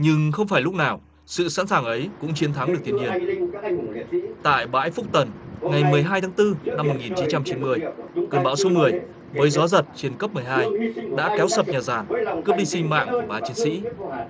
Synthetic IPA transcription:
ɲɨ˧ŋxə˧wŋ͡mfaː˧˩jlʊ˦˥k͡p̚naː˨˩w | sɨ̰˧˨sa̰ː˧˥nsaː˨˩ŋʔə˨˦jkʊ̰˧˥ŋ͡mt͡ɕi˨˦ənt̪ʰa˨˦ŋɗɨ˨˩ək̚t̪i˧əhi˧˩ən | t̪a̰ː˧˨jɓa̰ː˧˥jfʊ˦˥k͡p̚t̪ə˨˩nŋa˨˩jmɨ˨˩əjɦaː˧j̪ʰaː˨˦ŋt̪ɨ˧na˧mː˨˩t̚ŋi˨˩nt͡ɕi˨˦nt͡ɕa˧mt͡ɕi˨˦nmɨ˨˩əjknɓa̰ː˧˩wso˧mɨ˨˩əj | vəː˨˦jzɔ˨˦zə˨˩t̚t͡ɕi˨˧ənkə˦˥p̚mɨ˨˩əjɦaː˧jɗa̰ː˧˥kɛ˨˦wsə˨˩p̚ɲaː˨˩zaː˨˩nkɨ˦˥əp̚ɗi˧sï˧ŋ̟ma̰ː˧˨ŋku˧˩ɓaː˨˦t͡ɕi˨˦nsḭ˧˥

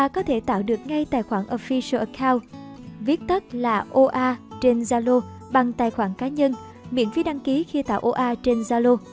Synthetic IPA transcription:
ʔaː˧kɔ˨˦t̪ʰe˧˩t̪a̰ː˧˨wɗɨ˨˩ək̚ŋa˧jt̪aː˧˩jxwaː˧˩nʔo˧fi˧sə˧ʔə˨˦kʰaː˧wvi˦˥ət̚t̪ə˦˥t̚laː˨˩ʔo˧ʔaː˧t͡ɕe˧nzaː˧lo˧ | ɓa˨˩ŋt̪aː˨˩jxwaː˧˩nkaː˨˦ɲə˧n | mḭ˧˨ənvi˧˨˦ɗa˧ŋki˨˦xi˧t̪a̰ː˧˨wʔo˧ʔaː˧t͡ɕe˧nzaː˧lo˧

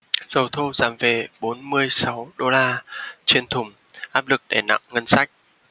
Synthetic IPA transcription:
z̥ə˨˩wt̪ʰo˧zaː˨˦mve˨˩ɓo˨˦nmɨ˧əjsa˨˦wɗo˧laː˧t͡ɕe˧nt̪ʰʊ˨˩ŋ͡m | ʔaː˦˥p̚lɨ˨˩k̚ɗe˧˩na̰˧˨ŋŋə˧nsa˦˥jk̟̚

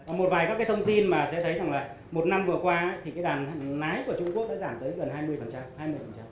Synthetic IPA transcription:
aː˨˩mo˨˩t̚vaː˨˩jkaː˦˥kaː˨˦jt̪ʰə˧ŋ͡mt̪i˧nmaː˨˩sɛ̰˧˥t̪ʰə˨˦jza˨˩ŋlaː˨˩ | mo˨˩t̚na˧mvɨ˨˩əkwaː˧˨˦t̪i˨˩kaː˨˦jɗaː˨˩n˨laː˨˦jku˧˩ət͡ɕʊ˧ŋ͡mku˦˥ək̚ɗa̰ː˧˥zaː˧˩mt̪əː˨˦jɣə˨˩nɦaː˧jmɨ˧əjfə˨˩nt͡ɕa˧mhaː˧jmɨ˧əjfə˨˩nt͡ɕa˧m

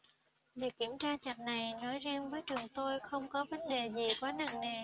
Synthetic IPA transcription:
vi˨˩əkːi˧˩əmt͡ɕaː˧t͡ɕa˨˩t̚na˨˩jnɔ˨˦jzɛ˧nvəː˨˦jt͡ɕɨ˨˩əŋt̪o˧jxə˧wŋ͡mkɔ˨˦ɓə˧˥nle˨˩zi˨˩kwaː˨˦nə̰˧˨ŋne˨˩

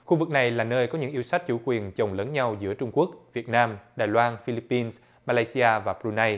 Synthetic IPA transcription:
xu˧vɨ˨˩k̚na˨˩jlaː˨˩nəː˧jkɔ˨˦ɲɨ̰˧˥ŋʔi˧əwsa˦˥k̟̚t͡ɕṵ˧˥kwi˨˩ənt͡ɕə˨˩wŋ͡mləː˨˦nɲa˧wzɨ̰˧˥ət͡ɕʊ˧ŋ͡mku˦˥ək̚vi˨˩ət̚naː˧mɗaː˨˩jlwaː˧nfi˧li˦˥pːi˧ns | maː˧laː˧si˧ʔaː˧vaː˨˩pɾu˧na˧j

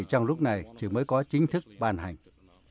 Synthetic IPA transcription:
t͡ɕɔ˧wŋ͡mlʊ˦˥k͡p̚na˨˩jt͡ɕɨ˧˩məː˨˦jkɔ˨˦t͡ɕï˨˦ŋ̟t̪ʰɨ˦˥k̚ɓaː˧nha̰˨˩jŋ̟

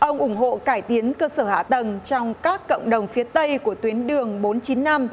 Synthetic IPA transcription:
ʔə˧wŋ͡mʔʊ˧˩ŋ͡mɦo̰˧˨kaː˧˩jt̪i˨˦ənkəː˧səː˧˩ha̰ː˧˨t̪ə˨˩nt͡ɕɔ˧wŋ͡mkaː˦˥kːo̰˧˨wŋ͡mɗə˨˩wŋ͡mfi˨˦ət̪ə˧jku˧˩ət̪wi˨˦ənɗɨ˨˩əŋɓo˨˦nt͡ɕi˨˦nːa˧m

